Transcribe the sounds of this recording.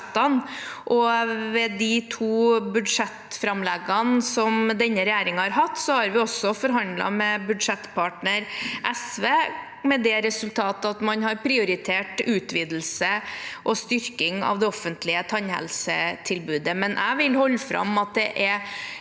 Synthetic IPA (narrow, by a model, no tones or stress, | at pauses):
t̪ːɑnʔɔʋɛd̪it̪ʰuːbʉd̪ʂɛt̪fɾɑmlɛɡɑnsɔmd̪ɛnːəɾɛjæːɾɪŋɑhɑɾɦɑt̪ːsɔhɑɾʋɪɔsːɔfɔɾɦɑnd̪lɑ̰mɛbʉd̪ʂɛt̪ːpʰɑːʈnəɾʔɛsʋeː | mɛd̪ɛɾɛsʉlt̪ʰɑːt̪ɑt̪mɑnɦɑɾpʰɾɪʊɾɪt̪ʰeːʈʉːt̪ʋiːd̪l̩səʔɔst̪ʏɾkɪŋɑ̰ʋd̪ɛɔfənt̪lɪət̪ʰɑɲhɛ̰lsət̪ʰɪlbʉːd̪əmɛnʔæ̰ʋɪlhɔlːfɾɑ̰mɑt̪̚d̪ɛʔɛɾ